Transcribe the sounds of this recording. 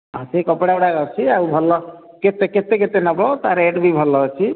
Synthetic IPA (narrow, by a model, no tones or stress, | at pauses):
ãsekɔpɽauɽaɡʌt͡ʃʰiaubʱɔlːɔ | ket̪eket̪ek̬et̪enɔbɔt̪aɾeʈbʱibʱʌlːɔt͡ʃʰi